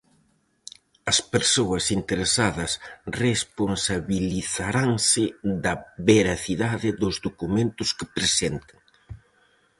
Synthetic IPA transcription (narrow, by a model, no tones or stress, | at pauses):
ɐspeɾsoɐsint̪eɾesaðɐsresponsaβiliθaɾaŋsɪðɐβeɾaθiðaðɪðʊzðokumẽnt̪ʊskɪpɾesent̪ɪ̥ŋ